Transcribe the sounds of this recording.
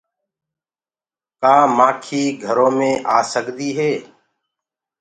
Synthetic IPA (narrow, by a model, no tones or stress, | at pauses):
kaːmãːkʰiːɡʱəɾõːmẽːʔaːsəɠd̪iːɦeː